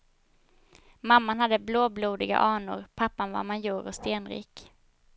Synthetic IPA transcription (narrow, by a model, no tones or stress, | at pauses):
mamːanhad̪ːəbloːbluːd̪ɪɡa̰ʔɑːɳʊ̰ɾpʰapːanva̰manjuːɾɔst̪eːnɾḭːk